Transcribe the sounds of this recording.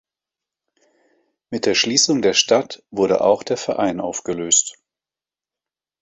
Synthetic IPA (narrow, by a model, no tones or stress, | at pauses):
mɪt̚d̥eːɐʃliːsʊŋdeːɐʃtatv̥ʊɐɾə̰ʔa̰ʊxd̥eːɐfɛɐʔaɪnʔaʊfɡ̥əløːst